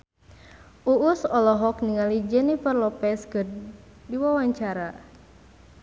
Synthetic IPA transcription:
ʔuʔusɔlɔɦɔkniŋalid͡ʒənipərlɔpɛskɨrdiwawaɲt͡ʃaɾa

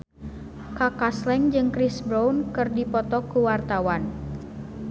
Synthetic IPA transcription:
kakaslɛŋd͡ʒɨŋkɾisbɾownkɨrdipɔt̪ɔkuwart̪awan

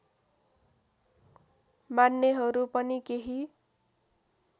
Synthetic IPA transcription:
manːeɦʌɾupʌnikeɦi

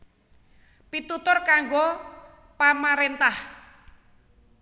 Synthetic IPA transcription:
pit̪ut̪ʊrkaŋɡo | pamaɾent̪ah

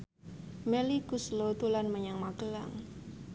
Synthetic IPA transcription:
mɛlikuslot̪ulanməɲaŋmakəla̰ŋ

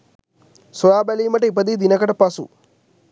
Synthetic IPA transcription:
sojaːbæliːməʈəip̬əd̪id̪inəkəʈəpɐsṵ

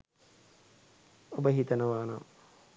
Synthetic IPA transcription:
ubɐɦit̪ɐnɐʋaːnɐ̰

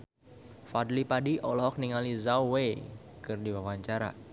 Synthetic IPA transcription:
fadlipadiʔɔlɔɦɔk̚niŋalizawwekɨrdiwawaɲt͡ʃaɾa̰

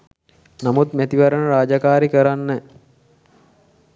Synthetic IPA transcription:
namut̪mæt̪iʋɐɾənəɾaːd͡ʒakaːɾikəɾanːə

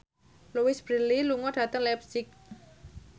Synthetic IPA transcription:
luwɪsb̥ɾililuŋɔɖ̥ä̤t̪əŋlɛp̚sɪk̚

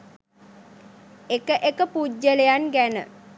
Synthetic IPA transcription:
ekəʔekəpuɟːəlejanɡænə̰

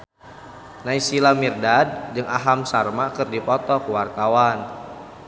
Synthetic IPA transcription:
naisilamirdad̚d͡ʒɨŋaɦamsarmakɨrdipɔt̪ɔkuwart̪awan

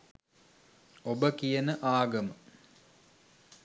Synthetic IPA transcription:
obəkijənəʔaːɡɐmə

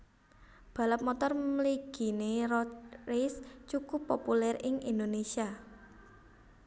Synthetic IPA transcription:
b̥ä̤ləp̚mɔt̪ɔrmliɡ̥i̤nerɔtrist͡ʃukʊpːopulɛrɪŋind̪onesia

